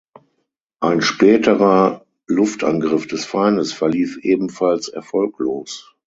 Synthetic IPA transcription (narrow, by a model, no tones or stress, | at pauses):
ʔaɪnʃpɛːtʰəʁɐ | lʊftʰʔa̰nɡʁɪfd̥ɛsfaɪnəsfɛɐliːfʔeːbm̩falsɛ̰ɐfɔlkloːs